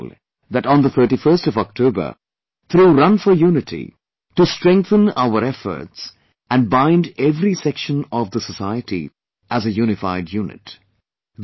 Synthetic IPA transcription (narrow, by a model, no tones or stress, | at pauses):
l | ðæʈɔ̃nd̪ət̪ʰə˞ʈifə˞stɔvɔk̚tʰoːbə̰˞ | t̪ʰɾuːɾʌ̃nfəjuːnɪtʰḭ | ʈustɾɛ̃ŋk̚θə̃na̰ʊəɾɛfə̰˞ts | æ̃nbãɪ̃ndɛvɾisɛkʃə̃nɔvd̪əsəsaɪətḭ | ʔæzəjuːnɪfaɪdjuːnɪ̰t